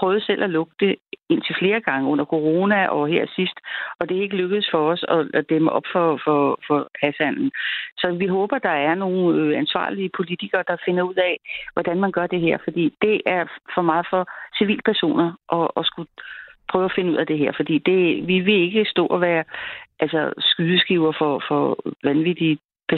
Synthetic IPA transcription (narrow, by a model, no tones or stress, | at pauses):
pʰʁœːðˠselʔælɔ̽ɡ̥̚d̥əe̝n̰t͡sʰe̝fle̝ːɐɡ̥ɑ̈ŋəɔ̽n̰ɐkʰo̝ʁo̝ːnæʔɒ̽ɦeɐ̰sisd̥ɒ̽d̥e̝æe̝ɡ̥əløɡ̥əð̩ˠsfɒ̽ɒsɒ̽d̥eməʔɒ̽b̥fɒ̽fɒfɒ̽hæsæn̰n̩sɒ̽ʋiɦɔ̽ːb̥ɐd̥ɑ̈æɐno̝ːn̩øænsʋɑ̰̈ːliəpʰo̝lit͡sʰiɡ̥ɐːd̥ɑ̈fe̝nɐuð̰ˠɛʋɒd̥ænmænɡ̥ɶɐd̥e̝ɦeɐ̰fɒ̽d̥ḭːd̥e̝ʔæɐfɒ̽mɑ̈ːð̩ˠfɒ̽siʋḭːl̥pʰæɐso̝̰ːnɐʔɒ̽ːsɡ̥upʰʁœːʊæfe̝nəuð̞̰ˠɐd̥e̝ɦeɐ̰fɒ̽d̥ḭːd̥e̝ʋiʋe̝e̝ɡ̥əsd̥ɔ̰̽ːɒʋæːɐʔælsɐsɡ̥yðˠəsɡ̥iʊɐfɒ̽fɒʋænʋid̥i | pʰæɐ